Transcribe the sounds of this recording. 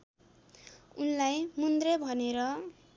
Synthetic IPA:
unlajmund̪rebʱʌneɾʌ

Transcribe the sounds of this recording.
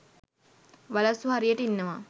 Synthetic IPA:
ʋalɐsuɦaɾijəʈəinːəʋa

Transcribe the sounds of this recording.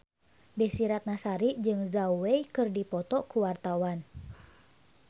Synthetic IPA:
bɛhsiɾat̪̚nasaɾid͡ʒɨŋzauwɛikɨrdipɔt̪ɔkuwart̪awan

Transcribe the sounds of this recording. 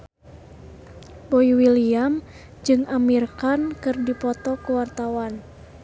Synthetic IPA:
boiwiliam | d͡ʒɨŋamirkankɨrdipɔt̪ɔkuwart̪awan

